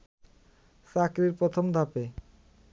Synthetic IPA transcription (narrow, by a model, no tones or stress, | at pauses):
sakɾiɾpɾot̪ʰomd̪ʱape